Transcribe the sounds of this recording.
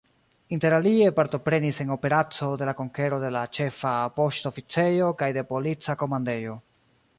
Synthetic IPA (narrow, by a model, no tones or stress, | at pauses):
inte̞ɾalie̞paɾto̞pɾe̞nise̞no̞pe̞ɾat͡so̞de̞lako̞ŋke̞ɾo̞de̞lat͡ʃe̞fapo̞ʃto̞fit͡se̞jo̞kajde̞po̞lit͡sako̞mande̞jo̞